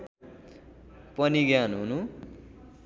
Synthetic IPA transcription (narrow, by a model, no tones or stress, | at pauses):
pʌniɡjanɦunu